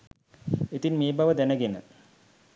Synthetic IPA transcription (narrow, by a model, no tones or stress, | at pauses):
et̪inmeːbaʋəd̪ænəɡenə̰